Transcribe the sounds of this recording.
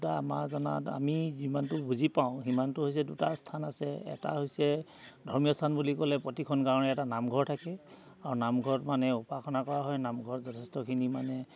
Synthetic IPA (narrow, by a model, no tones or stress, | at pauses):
taamazɔna̰ta̰mizimantʊbuzipaʊ̃ɦimantʊɦojs̬ɛdutastʰanasɛɛ̰ta̰ɦojsɛ | dʱɔɹmijɔstʰanbulikɔlɛpɹɔtikʰɔnkaɹɔnɛɛtanamɡʱɔɹtʰakɛ | aɹunamɡʱɔtmanɛupakʰɔnakɔɹaɦɔjnamɡʱɔɹzɔtʰɛstɔkʰinimanɛ